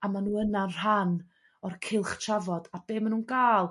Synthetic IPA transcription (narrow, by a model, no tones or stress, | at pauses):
amanuːənar̥an | ɔrkʰɪlˠχt͡ʃʰavɔd̥ab̥eːmanuːnɡaːlˠ